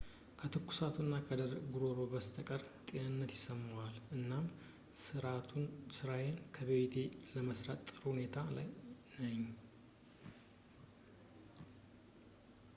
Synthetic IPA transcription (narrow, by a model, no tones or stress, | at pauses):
kʰət̪ʰɨkːu̥sat̪ʰunːakʰəd̪əɾɡuɾoɾo̞bəst̪ʰəkʼəɾt̪ʼe̞nɨnːət̪jɪsəmːwalʔɨnːam | sɨɾajenkʰəβet̪ʰe̞ləməsɾat̪ʼːɨɾhhune̞t̪ʰala̰j | nəɲː